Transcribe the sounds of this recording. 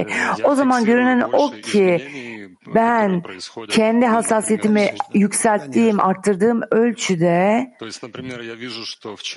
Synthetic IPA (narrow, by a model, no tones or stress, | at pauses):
o̞zamanɟø̞ɾynænocʰi | bæncʰɛnd̪iɦasːaːsijet̪ʰimijycsælʲt̪ʰːiːmʔa̰ɾt̪ʰːɯɾd̪ɯːmølʲt͡ʃʰyd̪ɛ